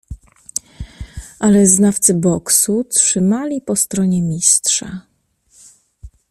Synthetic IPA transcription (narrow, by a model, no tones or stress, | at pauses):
ʔalɛznaft̪sɘbɔksutʂɘmalʲipɔst̪ɾɔɲɛmʲistʂa̰